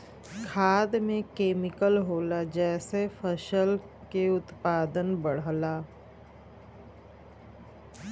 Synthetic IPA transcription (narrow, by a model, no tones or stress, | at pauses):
kʰaːd̪mẽkeːmɪkəlɦoːlad͡ʒɛːsefʰəʃəl | keʊt̪paːd̪ənbəɽ̤laː